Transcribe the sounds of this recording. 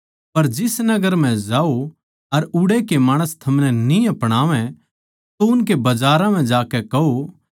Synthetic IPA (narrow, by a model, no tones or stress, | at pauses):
pɐɾd͡ʒɪsnɐɡəɾm̤ɛ̃d͡ʒaːo | ɐɾʊɽekemaːɽ̃əst̪ʰɐmnɛnĩɐpɽ̃aːʋɛ̃ | t̪oʊnkebɐd͡ʒaːɾãm̤ɛ̃d͡ʒaːkɛkɐɦo